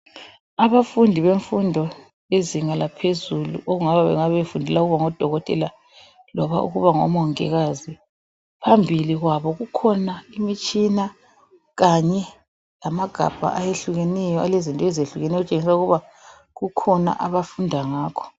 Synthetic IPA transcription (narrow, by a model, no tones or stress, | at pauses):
aβafundʱiβeɱfundʱɔ | eziŋalapʰezulṵʔoɣuŋaβaβɛ̰ŋaβefundʱɛlauɣuβaŋɔd̥ʱɔɣɔtʼɛla | lɔβa̰ʔṵɣuβaŋɔ̰mɔŋɛ̰ɣazi | pʰambʱiliɣwaβɔɣukʰɔnaimit͡ʃʼina | ɣaɲɛ | lamaɡ̥ʱa̰b̥ʱa̰ʔajeɬuɣenɛjɔalezintʼɔɛzeɬuɣenɛjɔut͡ʃʼeŋisauɣuβa | ɣukʰɔna̰ʔaβafundʱaŋaːkʰɔ̥